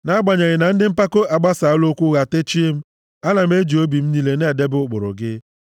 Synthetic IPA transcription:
na˦ɡ͡ba˨ɲa˨ɣɪ˨na˨n̩˦dɪ˦m̩˦pa˦ko˦ʔa˨ɡ͡ba˦sa˨˦lo˦kʷu˦ɣa˨te˦t͡ʃi˦e˦m̩˦ | a˦na˨m̩˦e˦d͡ʒi˨o˦bi˨m̩˦ni˦le˦ne˨de˦bʊ˦k͡pʊ̰˨ɾʊ̰˨ɡɪ˦

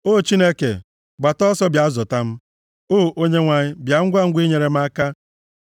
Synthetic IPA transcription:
o˦˨t͡ʃi˦ne˦kḛ˨ | ɡ͡ba˨tɔ˦sɔ˦bja˨˦zɔ˨ta˦m̩˦ | oː˦ʔo˦ɲe˦ŋʷa˨ɲɪ˦bja˨ŋ̩˦ɡʷa˦ŋ̩˦ɡʷi˦ɲe˨ɾe˨m̩˦a˦ka˦

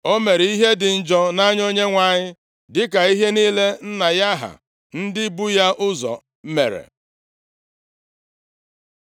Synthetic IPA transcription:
o˦me˨ɾi˦ɦe˦dɪ˨n̩˨d͡ʒɔ˦na˦ɲ˦o˦ɲe˦ŋʷa˨ɲɪ˦ | dɪ˦k̬a˨i˦ɦe˦niː˦le˦n̩˦na˨ja˦ɦa̰˨ | n̩˦dɪ˦bu˦ja˦ʔʊ˦zɔ̰˨˦ | mḛ˨ɾḛ˨

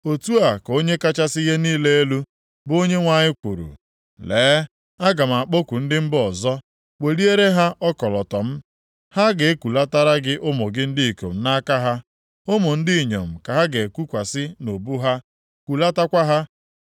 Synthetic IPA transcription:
o˨tu˦a˨ko˦ɲe˦ka˦t͡ʃa˦sɪ˦ɣe˦niː˦le˦e˦lu˦ | bo˦ɲe˦ŋʷa˨ɲɪ˦kʷu˨ɾṵ˨ | leː˨˦ | a˦ɡa˨m̩˨a˨k͡po˦kʷu˨n̩˦dɪ˦m̩˦bɔ˨zɔ˦ | k͡pe˨ɾi˦e˦ɾe˦ɦa˦ʔɔ˦kɔ˨lɔ˨tɔ˨m̩˦ | ha˦ɡe˨˦kʷu˨la˦ta˦ɾa˦ɡɪ˦ʔʊ˦mo˨ɡɪ˦n̩˦dɪ˦i˨ko̰˨m̩˦na˦ka˦ɦa˦ | o˦mo˨n̩˦dɪ˦i˨ɲo̰˨m̩˨ka˨ɦa˦ɡe˨kʷu˦kʷa˨sɪ˦no˨bu˦ɦa˦ | kʷu˨la˦ta˦kʷa˦ɦa˦

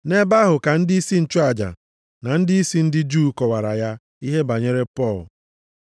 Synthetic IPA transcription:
ne˦ba˦ɦʊ˨ka˨n̩˦dɪ˦i˦si˦n̩˦˨t͡ʃʊ˦a˨d͡ʒa̰˨ | na˨n̩˦dɪ˦i˦si˦n̩˦dɪ˦d͡ʒuː˦kɔ˨wa˨ɾa˨ja˦ | i˦ɦe˦ba˨ɲe˦ɾe˦pɔ˦˨l

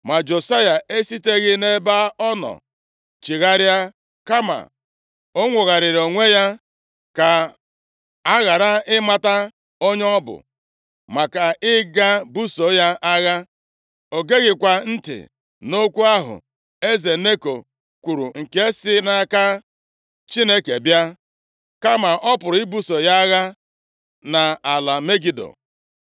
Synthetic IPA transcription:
ma˨d͡ʒo˨sa˦ja˨e˦si˦te˦ɣɪ˦ne˦ba˦ɔ˦nɔ̰˨ | t͡ʃi˨ɣa˦ɾja˦ | ka˦ma̰˨ | o˦ŋʷʊ˨ɣa˨ɾɪ˨ɾo˨ŋʷe˦ja˦ | ka˨ | a˦ɣa˨ɾa˦ɪ˦ma˦ta˦ | o˦ɲ˦ɔ˦bʊ̰˨ | ma˨ka˨ɪ˦ɡa˦bu˦so˨˦ja˦ʔa˦ɣa˦ | o˨ɡe˦ɡɪ˨kʷa˨n̩˦tɪ̰˨ | no˦kʷu˦a˦ɦʊ̰˨ | e˦ze˨ne˦ko̰˨ | kʷu˨ɾu˨ŋ̩˨ke˦e˦sɪ˦na˦ka˦ | t͡ʃi˦ne˦ke˨bja˦ | ka˦ma˨ʔɔ˦pʊ˨ɾi˦bu˦so˨ja˦ɣa˦ | na˨a˨la˨me˦ɡi˦do̰˨

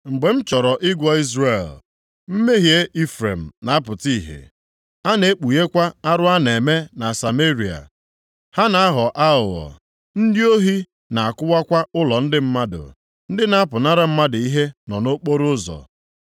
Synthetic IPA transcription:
ŋ͡m̩˨ɡ͡be˨m̩˦t͡ʃɔ˨ɾɔ˨ʔɪ˦ɡʷɔ˦i˦zre˨l | m̩˦me˦ɦje˦ʔi˦fɾḛ˨m̩˨na˨a˦pʊ˨ti˦˨ɦḛ˨ | a˦ne˨e˦k͡pu˨je˦kʷa˦a˦ɾʊ˦a˦ne˨me˦na˨sa˨me˦ɾi˨a̰˨ | ha˦na˨a˦ɦɔ˨ʔa˦ʊ˨ɔ̰˨ | n̩˦dɪ˦o˦ɦi˦ | na˨a˨kʊ˦wa˦kʷa˦ʊ˦lɔ˨n̩˦dɪ˦m̩˦ma˦dʊ̰˨ | n̩˦dɪ˦na˦pʊ˨na˦ɾa˦m̩˦ma˦dʊ˨i˦ɦe˦nɔ˨no˦k͡po˦ɾʊ˦zɔ̰˨

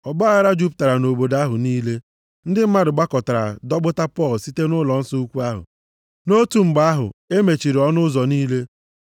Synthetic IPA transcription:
ɔ˨ɡ͡ba˦a˦ɾa˦d͡ʒu˦p̬ʊ̥˨ta˨ɾa˨no˨bo˨da˦ɦʊ˨niː˦le˦ | n̩˦dɪ˦m̩˦ma˦dʊ˨ɡ͡ba˦kɔ˨ta˨ɾa̰˨dɔ˦ɡ͡bʊ˦ta˦pɔ˦˨lsi˦te˦nʊ˦lɔ˨n̩˦sɔ˦u˦kʷu˦a˦ɦʊ̰˨ | no˦tu˨m̩˨ɡ͡ba˦a˦ɦʊ̰˨e˦me˨t͡ʃi˨ɾi˨ɔ˦nʊ˦zɔ˨niː˦le˦

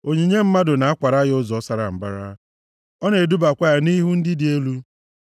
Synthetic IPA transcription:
o˨ɲi˨ɲe˦m̩˦ma˦dʊ˨na˨a˦kʷa˨ɾa˦ɣɪ˦ʊ˦zɔ˨ɔ˦sa˨ɾa˨m̩˨ba̰˦ɾa̰˦ | ɔ˦ne˨du˦ba˨kʷa˦a˨ni˦ɦu˦n̩˦dɪ˦dɪ˨e˦lu˦

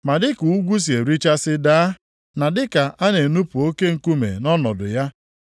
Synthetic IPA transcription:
ma˨dɪ˦ku˨u˦ɡʷu˦s̬i˨e˨ɾi˦t͡ʃa˦sɪ˦daː˦ | na˨dɪ˦ka˨ʔa˦ne˨nu˦pu˨o˦ke˦ŋ̩˨ku˦mḛ˨nɔ˦nɔ˨dʊ̰˨ja˦

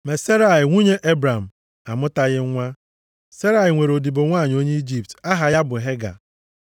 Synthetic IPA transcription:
me˨se˦ɾa˨ɪ˨ŋʷu˦ɲe˦ʔe˦bɾa˨m̩˨ | a˨mʊ˦ta˦ɣɪ˦ŋʷa˦ | se˦ɾa˨ɪ˨ŋʷe˨ɾo˨di˨bo˨ŋʷaː˦˨ɲ˨o˦ɲe˦i˦d͡ʒi˦˨p̚ta˦ɦa˨ja˦bʊ˨ɦe˦ɡa̰˨

